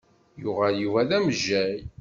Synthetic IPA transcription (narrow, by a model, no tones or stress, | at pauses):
jʊʁæljuvæðæməʒːæj